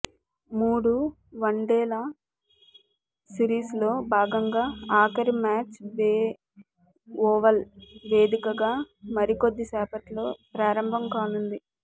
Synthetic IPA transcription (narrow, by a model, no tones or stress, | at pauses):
muːɽu | ʋɐɳɖɛːlɐ | siɾiːslo̞ːbʱaːɡɐŋɡaːaːkɐɾimaːt͡ʃʋeː | ɔːʋɐlʋe̞ːd̪ikɐɡaː | mɐɾikod̪ːisɛːpɐʈlo̞ːpɾaːɾɐmbʱɐmkaːnund̪i